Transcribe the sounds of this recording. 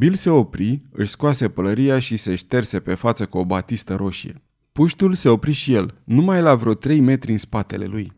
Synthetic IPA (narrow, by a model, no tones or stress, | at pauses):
bilse̞o̞pɾiɨ̰ʃskwase̞pələɾiaʃise̞ʃt̪e̞rse̞pe̞fat̪səkuo̞bat̪ist̪əɾʔo̞ʃije̞̰ | puʃt̪ulse̞o̞pɾiʃije̞lnumajlavɾot̪ɾe̞jme̞t̪ɾʲɨnspat̪e̞le̞̰luj